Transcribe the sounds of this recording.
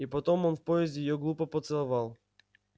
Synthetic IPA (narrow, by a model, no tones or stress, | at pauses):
ipɐt̪ɔmɔnfpɔɛzʲd̪ʲɪɪjɔɡlˠupəpɔt̪sɛlˠɐvalˠ